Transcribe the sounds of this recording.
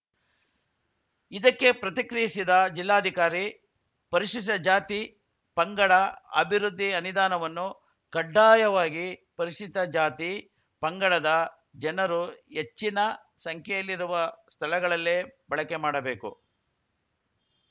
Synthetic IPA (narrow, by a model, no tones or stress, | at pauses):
id̪ɐkːe̞pɾɐt̪ikɾijisid̪ɐd͡ʒilːaːd̪ʱikaːɾi | pɐɾiʂit̪ɐd͡ʒaːt̪i | pɐŋɡɐɭɐɐ̰bʱiɾud̪ʱːiɐnud̪aːnɐʋɐnːu | kɐɖːaːjɐʋaːɡipɐɾiʂit̪ɐd͡ʒaːt̪i | pɐŋɡɐɭɐd̪ɐ | d͡ʒɛnɐɾuet͡ʃːinɐ | sɐŋkʰɛjɐlːiɾuʋɐst̪ʰɐlɐɡɐɭɐlːeːbɐɭɐkemaːɽɐbe̞ːkṵ